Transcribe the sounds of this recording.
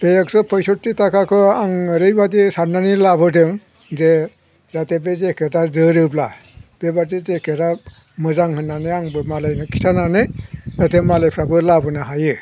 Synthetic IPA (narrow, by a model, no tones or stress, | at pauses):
bejeksɯpʰɔjsɔtːitakʰakʰɯaŋɾɯjbadisaɾnanilabɯdɯŋ | ze | zatebezekʰedazɯɾɯbla | b̥ebatizekʰeɾa | mɯzaŋhɯnːanɯaŋbɯmalajnɯkʰi̥tʰananɯatemalajpʰɾabɯlabɯnaɦajɯ